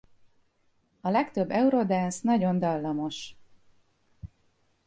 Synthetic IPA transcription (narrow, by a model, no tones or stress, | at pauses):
ɒlɛkt̪øbːɛuɾod̪ɛnsnɒɟo̞nd̪ɒlːɒmo̞ʃ